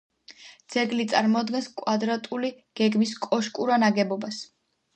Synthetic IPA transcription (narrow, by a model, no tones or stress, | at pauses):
d̪z̥ɛɡlit̪sʼaɾmɔd̪ɡɛnskʼwad̪ɾat̪ʼuli | ɡ̥ɛɡmiskʼɔʃkʼuɾanaɡɛbɔbas